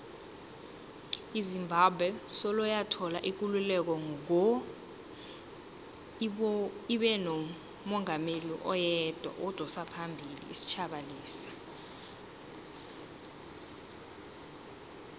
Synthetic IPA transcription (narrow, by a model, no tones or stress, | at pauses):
izimbʱabʱwɛsɔlɔjatʰɔlaʔik̬ululɛk̬ɔŋk̬ | iɓɛnɔ | mɔŋʱameliʔɔjɛd̥ʱwa̰ʔɔd̥ʱɔsapʰambʱilḭːsi̥t͡ʃʰaɓaliːsḁ